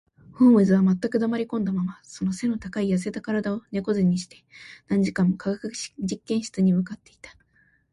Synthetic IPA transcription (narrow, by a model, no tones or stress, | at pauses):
hõɰ̃ɯ̟zɨβ̞amat̪ːakɯ̟d̪amaɾʲikõ̞nd̪amamaso̞nose̞no̞t̪akaijas̬e̞t̪akaɾad̪ao̞ne̞ko̞zeɲ̟ːiɕi̥t̪e̞nãɲ̟d͡ʑikãmːokaɡakɯ̟d͡ʑikːẽɰ̃ɕi̥t͡sɨɲ̟imɯ̟kat̪ːe̞i̥t̪ḁ